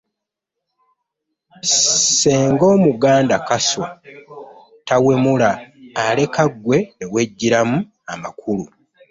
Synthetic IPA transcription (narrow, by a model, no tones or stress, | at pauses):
se̞ːŋɡo̞ːmuɡaːndakaso | tawe̞mulaːle̞kaɡwe̞ewe̞ɟːiɾamu | ama̰kulu